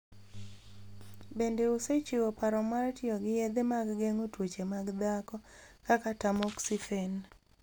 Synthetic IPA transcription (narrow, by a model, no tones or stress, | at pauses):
bendeoset͡ʃɪwopaɾɔmartjɔɡɪjed̪emaɡɡeŋotwot͡ʃemaɡd̪akɔkakatamoksifen